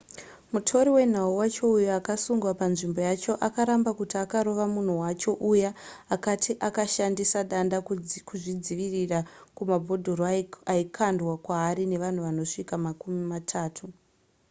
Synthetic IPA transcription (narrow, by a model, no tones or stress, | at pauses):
mutʰo̞ɾiwe̞n̤auwat͡ʃo̞ujoakasuŋɡwapanʐimbo̞jat͡ʃo̞ʔakaɾambakutiakaɾo̞ʋamun̤uwat͡ʃo̞ʔujaakatʰiʔakaʃandisaɗandakuʐid͡ziʋirirakumabʱo̞dʱo̞ɾoaikʰandwakwaːɾine̞ʋan̤uʋano̞ʂikamakumimatʰaːtʰu